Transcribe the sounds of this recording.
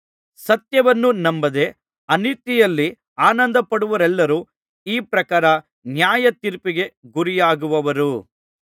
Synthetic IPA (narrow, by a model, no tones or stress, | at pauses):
sɐt̪jɐʋɐnːunɐmbɐd̪e̞ | ɐnit̪ːijɐlːi | aːnɐnd̪ɐpɐɽuʋɐɾɛlːɐɾuː | iːpɾɐkaːɾɐ | njaːjɐt̪iɾpiɡe̞ɡuɾijaːɡuʋɐʋɐɾu